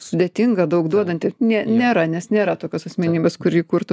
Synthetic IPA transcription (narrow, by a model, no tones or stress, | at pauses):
sʊd̪ʲeːt̪ʲiŋɡɐd̪ɐʊkd̪uɔd̪ɐnʲt̪ʲɪnʲenʲeːɾɐnʲɛsnʲeːɾɐt̪oːkʲosɐsʲmʲɛnʲiːbʲɛskʊɾʲjiːkurt̪ʊ